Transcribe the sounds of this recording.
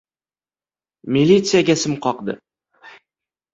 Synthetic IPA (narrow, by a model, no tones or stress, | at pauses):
mʲilʲːit̪sɨjaɡʲasɪmqʰɒqd̪ɪ̰